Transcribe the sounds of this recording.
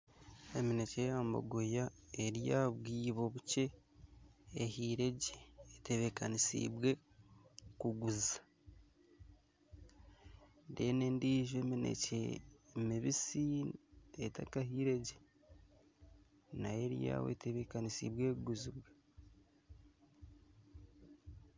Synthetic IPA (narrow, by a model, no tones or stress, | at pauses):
e̞minecejaːmbo̰ɡojaeɾjaβwiːβo̞βut͡ʃe̞ | hiːɾe̞ɟeːte̞βekanisḭbwe̞ | kuɡuzḁ | dene̞ndiːʒeminḛcḛmiβisi | etakaɦiɾe̞ɟe | naje̞ɾija̰ːwḛte̞βekanisḭbwe̞ːuɡuzibwe